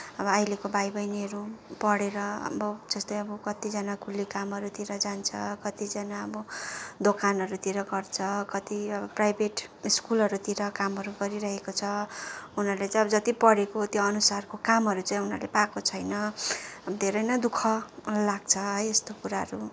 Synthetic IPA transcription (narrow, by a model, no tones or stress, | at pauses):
ʌbʌajlekobajbʌjniʌɾupʌɽeɾʌʌ̰bʌd͡zʌst̪ʌjʌbʌkʌt̪id͡zʌnakulːikamʌɾut̪iɾʌd͡zant͡sʰʌkʌt̪id͡zʌnaʌbʌd̪okanʌɾut̪iɾʌɡʌrt͡sʰʌkʌt̪iʌbʌprajbʱeʈiskulʌɾut̪iɾʌkamʌɾuɡʌɾiɾʌɦekot͡sʰʌunʌrlet͡sãj̃ʌbʌd͡zʌt̪ipʌɽekot̪joʌnusarkokamɦʌɾut͡sajɦunʌrlepakot͡sʰʌjnʌʌbʌd̪ʱeɾʌjnʌd̪ukʰʌlaɡ̚t͡sʰʌɦʌjest̪okuɾaɦʌɾu